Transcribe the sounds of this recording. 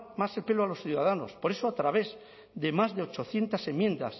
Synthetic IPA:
mase̞lpe̞loalo̞sθjuðaðano̞̰spo̞ɾe̞soat̪ɾaβ̞e̞z | d̪e̞mazðeo̞t͡ʃo̞θje̞nt̪ase̞mje̞nd̪as

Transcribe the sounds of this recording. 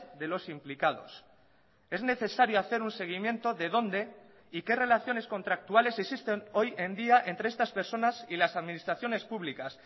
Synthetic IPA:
ðe̞lo̞simplikaðo̞̰s | e̞zne̞θe̞saɾjoaθe̞ɾunse̞ɣ̞imjẽ̞nt̪o̞ðe̞ð̞o̞nd̪e̞ | ike̞re̞laθjo̞ne̞sko̞nt̪ɾak̚t̪uale̞se̞ksist̪e̞no̞je̞nd̪iaʔe̞nt̪ɾeest̪aspe̞ɾso̞nasilasaðminist̪ɾaθjo̞ne̞spuβlikas

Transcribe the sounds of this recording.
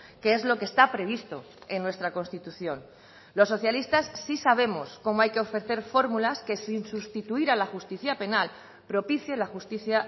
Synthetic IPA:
keezlo̞kest̪apɾe̞β̞ist̪o̞ | e̞nːwe̞st̪ɾako̞nst̪it̪uθjo̞n | lo̞sːo̞θjalist̪asːisaβ̞e̞mosko̞moajke̞o̞fɾe̞θe̞ɾfo̞ɾmulaske̞sinsust̪it̪uiɾalaxust̪iθjape̞nal | pɾo̞piθje̞laxust̪iθja

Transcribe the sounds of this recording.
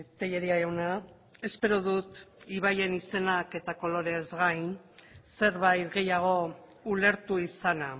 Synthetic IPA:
t̪eʎeɾiaewna | e̞spe̞ɾoðut̪iβ̞aje̞nise̞nake̞t̪ako̞lo̞ɾe̞zɣajnse̞ɾβajt̪ɣe̞jaɣ̞o̞ | ule̞ɾt̪uisana

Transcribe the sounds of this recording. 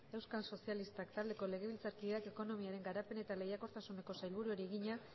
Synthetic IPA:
e̞wskalso̞sialist̪akt̪ald̪e̞ko̞le̞ɣ̞e̞βilt͡saɾkiðeake̞ko̞no̞miaɾe̞ŋɡaɾape̞ne̞t̪ale̞jako̞ɾt̪asune̞ko̞sajlβuɾueɾieɣiɲa

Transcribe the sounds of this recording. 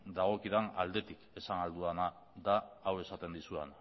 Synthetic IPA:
d̪aɣ̞o̞kiðanald̪e̞t̪ike̞sanald̪uana | d̪aːwe̞sat̪e̞nd̪isuḛn

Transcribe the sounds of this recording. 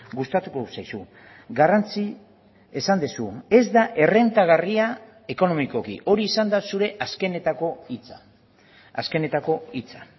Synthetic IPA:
ɡust̪at̪uko̞usajsu | ɡarant͡si | esand̪esue̞zd̪aʔe̞re̞nt̪aɣ̞aria | e̞ko̞no̞miko̞kḭʔo̞ɾiːsand̪asuɾe̞ʔaske̞net̪ako̞it͡sa | a̰ske̞ne̞t̪ako̞it͡sa

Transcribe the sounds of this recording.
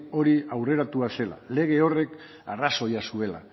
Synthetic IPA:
o̞ɾiawre̞ɾat̪uase̞la̰le̞ɣ̞e̞o̞re̞k | araso̞jasue̞la̰

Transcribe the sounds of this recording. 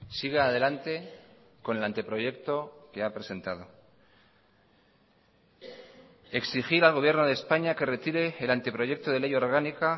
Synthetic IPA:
siɣ̞eaðe̞lant̪e̞ | ko̞ne̞lant̪e̞pɾo̞ʝe̞kt̪o̞ke̞apɾe̞se̞nt̪að̞o̞ | e̞ksixiɾalɣ̞o̞βje̞rnoð̞espaɲake̞re̞t̪iɾe̞ːlant̪e̞pɾo̞ʝe̞k̚t̪o̞ðe̞le̞jo̞ɾɣ̞anika

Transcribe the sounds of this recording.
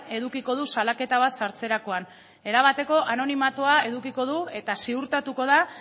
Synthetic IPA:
e̞ðukiko̞ð̞usalake̞t̪aβ̞at̪saɾt͡se̞ɾako̞an | e̞ɾaβ̞at̪e̞ko̞ʔano̞nimat̪oae̞ðukiko̞ð̞ue̞t̪asiuɾt̪at̪uko̞ð̞a

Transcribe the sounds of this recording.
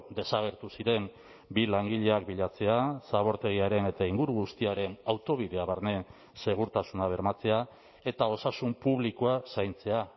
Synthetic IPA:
d̪e̞saɣ̞e̞ɾt̪usiɾe̞m | bilaŋɡiʎe̞akbiʎat͡se̞asaβ̞o̞ɾt̪e̞ɣ̞iaɾe̞ne̞t̪aiŋɡuɾuɣust̪iaɾe̞nawt̪o̞β̞iðe̞aβaɾne̞ | se̞ɣ̞uɾt̪asunaβ̞e̞ɾmat͡se̞a | e̞t̪ao̞sasumpuβlikoasajnt͡se̞a

